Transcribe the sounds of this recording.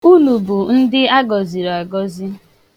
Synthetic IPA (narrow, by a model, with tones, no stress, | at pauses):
u˦nu˨bu˨n̩˦dɪ˦a˦ɡɔ˨zi˨ɾɔ˨a˨ɡɔ˦zi˦